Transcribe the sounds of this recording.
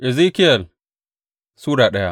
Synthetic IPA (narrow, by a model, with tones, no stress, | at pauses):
ʔɪ˨ziː˦kɪ˦jɐ˨l | suː˦ɽaː˨ɗɐ˦ja˦